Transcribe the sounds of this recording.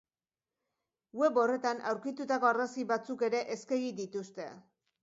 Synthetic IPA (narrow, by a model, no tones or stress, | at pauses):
ɡwe̞βo̞re̞t̪anawɾkit̪ut̪ako̞arasiβat͡suke̞ɾe̞ʔeskeɣid̪it̪ust̪e̞̰